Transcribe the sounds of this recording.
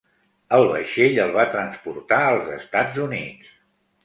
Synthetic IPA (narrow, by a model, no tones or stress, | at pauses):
əlˠβə̰ʃeʎəlˠβat̪ɾənspuɾt̪aəlˠzəst̪ad͡zunitt͡s